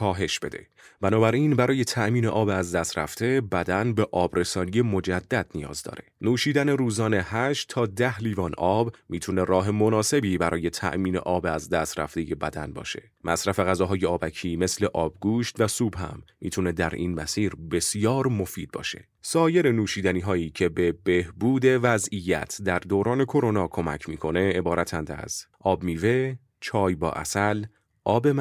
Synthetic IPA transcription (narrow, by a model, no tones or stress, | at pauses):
kʰɒːɦe̞ʃb̥e̞d̪e̞̰ | b̥ænɒːbæɾiːnbæɾɒːje̞t̪ʰæʔmiːne̞ʔɒːbeæzd̪æst̪ɾæ̰ft̪e̞bæd̪ænbe̞ʔɒːbɾe̞sɒːnije̞mo̞d͡ʒæd̪ːæd̪̚nijɒ̰ːzd̪ɒ̰ːɾe̞nuːʃiːd̪æne̞ɾuːzɒːne̞hæʃtt̪ʰːɒːd̪æhliːvɒːnʔɒːbmiːt̪ʰune̞ɾɒːɦe̞mo̞nɒːse̞biːbæɾʔɒːje̞t̪ʰæ̰ʔmiːne̞̰ʔɒːbeæzd̪æst̪ɾæ̰ft̪e̞je̞bæ̰d̪ænbɒ̰ːʃe̞̰ | mʔæsɾæfeɣæzɒːɦɒːjeɒːbæcʰiːme̞sle̞ʔɒːb̚ɡuːʃt̪væsuːbɦæ̰mːḭːt̪ʰune̞d̪æɾʔḭːnmæsiːɾbe̞sijɒːɾmo̞fiːd̪̚bɒ̰ːʃe̞̰ | sɒːje̞ɾe̞nuːʃiːd̪æniːɦɒːiːcʰe̞be̞be̞hbuːd̪e̞væzijæ̰t̪ʰd̪æɾd̪oːɾɒːne̞kʰo̞ɾo̞nɒːkʰo̞mæ̰cʰmiːkʰo̞ne̞ebɒːɾæt̪ʰænd̪æ̰z̥ʔɒːbmiːve̞ | t͡ʃʰɒːjbɒ̰ːʔæ̰sæl | ʔɒːbem